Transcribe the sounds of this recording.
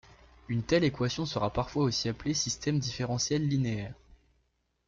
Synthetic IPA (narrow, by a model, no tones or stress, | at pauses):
ynt̪ɛlekwasjɔ̃səʁapaʁfwaosiaplesist̪ɛmd̪ifeʁɑ̃sjɛlːineɛːʁ